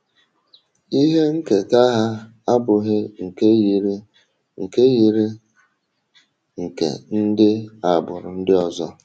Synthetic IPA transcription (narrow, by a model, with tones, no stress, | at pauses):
i˦ɦe˦ŋ̩˦ke˨ta˦ɦa˦ | a˦bʊ˨ɦe˦ŋ̩˨ke˦ji˦ɾ | ŋ̩˨ke˦ɣi˨ɾi˦ | ŋ̩˨kḛ˨n̩˦dɪ˦a˨bʊ̰˨ɾʊ̰˨n̩˦dɪ˦ɔ˨zɔ˦